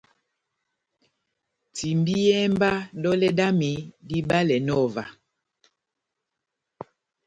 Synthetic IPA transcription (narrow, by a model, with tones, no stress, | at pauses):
ti˨mbi˦jɛ˦mba˦dɔ˦lɛ˦da˦mi˨˦di˦ba˦lɛ˨nɔ˦˨va˨